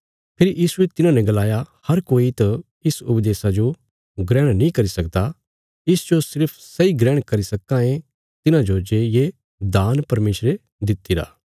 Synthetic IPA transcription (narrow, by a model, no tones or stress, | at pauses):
pʰɪɾijiːsuet̪ɪnãnɛ̃ɡɐlaːjahɐɾkoːit̪ɐ | ɪsʊpd̪eːsad͡ʒo | ɡɾɛ̃ːɽ̃nĩkɐɾisɐkd̪a | ɪsd͡ʒosɪɾpʰsɐiɡɾɛːɽ̃kɐɾisɐkːãẽ | t̪ɪnãd͡ʒod͡ʒeje | d̪aːnpɐɾmeːsɾe | d̪ɪt̪ːiɾa̰ː